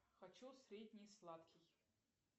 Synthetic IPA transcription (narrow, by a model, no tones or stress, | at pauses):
xɐt͡ɕusɾʲedʲnʲɪslˠat̪kʲɪj